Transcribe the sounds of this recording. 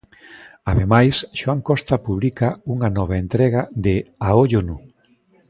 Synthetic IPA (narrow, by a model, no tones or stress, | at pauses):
aðemajsʃwaŋkɔst̪ɐpuβlikauŋanɔβ̞aent̪ɾɛɣaðɪaoʎonu